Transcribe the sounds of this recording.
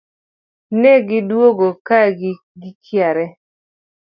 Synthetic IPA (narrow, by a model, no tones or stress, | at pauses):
nɛɡɪdwoɡokaɡ | ɡɪkʰjaɾɛ